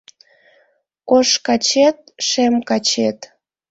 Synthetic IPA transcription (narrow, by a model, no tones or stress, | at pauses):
oʃkɑt͡ɕet̪̚ʃemkɑt͡ɕet̪